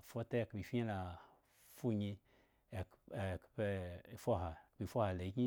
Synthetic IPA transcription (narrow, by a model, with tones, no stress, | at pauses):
fo˦ta˦˨kbi˨fi˦ɲe˦la˨ | fu˦ɲi˧˨ | kpe˧˨fo˦ɦa˨kbi˨fo˦ha˨le˨˦ki˦